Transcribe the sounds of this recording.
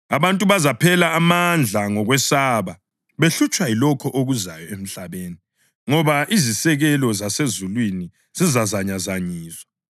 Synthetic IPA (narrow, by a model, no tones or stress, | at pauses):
aβantʼuβazapʰɛlaːmand͡ɮʱaŋɔɣwɛsaːβa | βeɬut͡ʃʼwailɔkʰɔʔoɣuzajɔem̩ɬaβeːni | ŋɔβaʔizisɛɣɛlɔzasezulwini | z̥izazaɲazaɲiːzwa